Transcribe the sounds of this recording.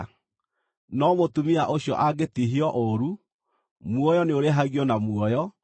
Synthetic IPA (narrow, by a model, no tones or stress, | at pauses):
nɔmotumiaʔoɕjɔ̰ʔaɡetiɦiɔʔoɾu | mwɔjɔneoɾeɦaɣiɔnamwɔjɔ